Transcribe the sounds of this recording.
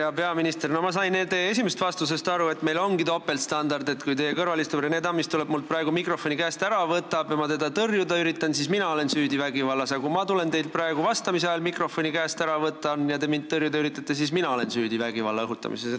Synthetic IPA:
jɑpe̞ɑminist̪e̞rnomɑs̬ɑjnneld̪t̪ejee̞sʲimest̪vɑst̪use̞st̪ɑɾue̞t̪ːme̞jlo̞ŋɡit̪o̞pːe̞lt̪st̪ɑnd̪ɑrd̪et̪kujt̪e̞jekɤrvɑlist̪uɾened̪ɑmist̪uleb̥̚muld̪̚prɑeɡ̥umikro̞fo̞nʲikæːst̪æɾɑvɤt̪ːˑɑb̥jɑmɑt̪e̞d̪ɑt̪ɤrjud̪ɑyɾit̪ːˑɑnsisminɑo̞le̞nsyːd̪ivæɡivɑlːɑsɑkumɑt̪ule̞nt̪e̞jl̚prɑeɡ̥uvɑst̪ɑmis̬eɑjɑlmikro̞fo̞nʲikæːst̪æɾɑvɤt̪ːˑɑnjɑt̪e̞mint̪t̪ːɤrjud̪ɑyɾit̪ːˑɑt̪ːˑe̞s̬isminɑo̞le̞nsyːd̪ivæɡ̥ivɑ̰lːɑɤɦut̪ːˑɑ̰mḭses

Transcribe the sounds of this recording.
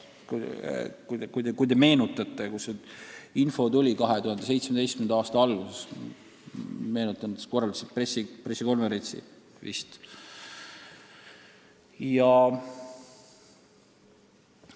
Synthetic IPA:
kukukujd̪ekujd̪e̞me̞ːnut̪ːˑɑt̪ːˑekusːeinfo̞t̪ulʲikɑɦe̞t̪uhɑnd̪es̬e̞jt̪smed̪ejst̪kymend̪ɑɑːst̪ɑɑlɡ̥uses | me̞ːnut̪ːˑɑnd̪̥sko̞rːɑld̪ɑsepresːipresːiko̞nveɾe̞nʲsḭ | vḭst̪ | jɑ

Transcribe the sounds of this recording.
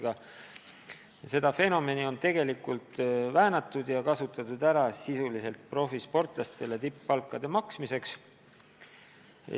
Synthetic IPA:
ɡ̥ɑ | se̞d̪̥ɑfe̞no̞me̞nio̞nt̪e̞ɡ̥e̞likːˑult̪væːnɑt̪ːˑud̪̥jɑkɑsut̪ːˑɑt̪ud̪̥æɾɑsisulise̞lt̪̚pro̞fispo̞rt̪ˑlɑst̪e̞le̞t̪ipːɑlkːˑɑd̪̥e̞mɑksmise̞ks

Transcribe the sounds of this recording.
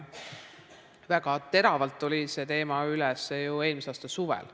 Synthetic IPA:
væɡ̥ɑt̪e̞ɾɑvɑlt̪ːˑolʲise̞t̪e̞ːmɑylɛsjue̞ːlmiseɑːst̪ɑsuvɛ̰l

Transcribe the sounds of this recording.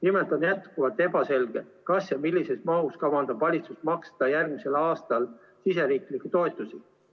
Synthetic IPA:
nimelt̪ˑo̞njæt̪kuvɑt̪ːˑe̞bɑse̞lɡ̥e̞kɑsjɑmilʲːise̞smɑɦuskɑvɑnd̪̥ɑb̥vɑlʲit̪sust̪mɑkst̪ɑjærɡ̚mise̞lɑːst̪ɑl | sise̞ɾiːklikːˑut̪o̞et̪ːˑusi

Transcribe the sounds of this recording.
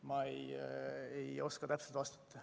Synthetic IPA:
mɑej | ejo̞skɑt̪æpselt̪vɑst̪ɑ̥t̪ːɑ

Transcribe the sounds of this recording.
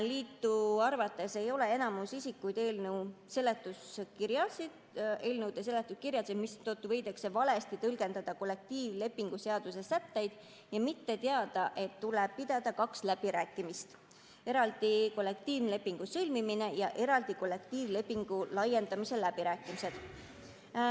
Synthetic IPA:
liːt̪ˑːuɑrvɑt̪ːe̞se̞jo̞le̞enɑmusisikːˑujd̪̥e̞ːlnewse̞lːe̞t̪ːˑuskiɾjɑsi | e̞ːlnewd̪ese̞lːe̞t̪ːˑuskirjɑsemist̪ot̪ːˑuvɤ̞jd̪ekse̞vɑle̞st̪it̪ɤlɡe̞nd̪ɑd̪̥ɑko̞lːe̞k̚t̪iːvle̞pːiŋɡ̥use̞ɑd̪̥use̞sæt̪ːe̞jd̪̥ | jɑmit̪ːe̞t̪eɑd̪̥ɑʔe̞t̪ːuleb̥̚pid̪̥ɑd̪̥ɑkɑkslæb̥iɾæːkˑːimist̪ | e̞ɾɑld̪̥iko̞lːe̞k̚t̪iːvle̞pːˑiŋɡ̥usɤlmimine̞jɑʔe̞ɾɑld̪̥iko̞lːe̞kt̪iːvle̞pːˑiŋɡ̥ulɑjend̪ɑmise̞læb̥iɾæːkːˑimise̞d̪̥

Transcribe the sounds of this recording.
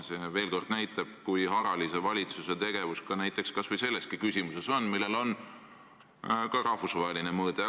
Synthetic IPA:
se̞ve̞ːlko̞rd̪̥næjt̪ːˑɑb̥kujɦɑɾɑlise̞vɑlʲit̪suse̞t̪e̞ɡ̥e̞vuskɑnæjt̪ːˑe̞kskɑsvɤjse̞lːe̞st̪̚kikysʲimuse̞so̞nːmilːe̞lo̞n | kɑɾɑhvusvɑɦeline̞mɤːd̪̥e

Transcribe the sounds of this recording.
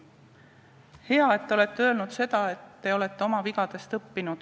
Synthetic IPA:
he̞ɑe̞t̪ːeole̞t̪ːeø̞ːlnud̪̥se̞d̪̥ɑe̞t̪ːe̞o̞le̞t̪ːˑe̞o̞mɑviɡ̥ɑd̪̥e̞st̪ɤpːinud̪̥

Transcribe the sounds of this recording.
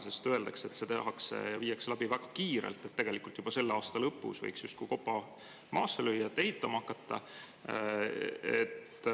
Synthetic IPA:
sest̪øe̞ld̪ɑkse̞t̪ːset̪ehɑksjɑviːjɑkselæbivæɡ̥ɑkiːɾḛlt̪ːˑe̞t̪ːe̞ɡ̥e̞likult̪jub̥ɑse̞lːeɑːst̪ɑlɤpːˑṵsvɤ̰jksjust̪kujko̞pːɑ | mɑ̰ːsːelyjːɑt̪ːehit̪ːˑɑmɑhɑkːˑɑt̪ːɑ | ḛt̪ː

